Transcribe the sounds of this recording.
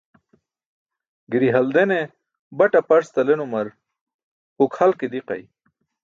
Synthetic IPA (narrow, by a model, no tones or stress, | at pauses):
ɡiɾiɦɐld̪ene | bɐʈapɐɾst̪ɐlenumɐɾ | hukhɐlked̪iqɐ̰j